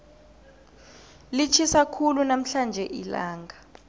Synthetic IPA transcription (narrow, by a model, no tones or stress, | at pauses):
lit͡ʃʰisakʰulunam̩ɬand͡ʒʱɛʔila̰ːŋʱa